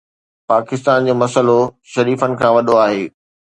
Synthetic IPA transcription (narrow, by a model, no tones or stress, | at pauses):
paːkɪst̪aːnd͡ʑoːmɐsəlo | ʃɐɾiːfənɪ̆kʰãːʋɐɗoaːɦeː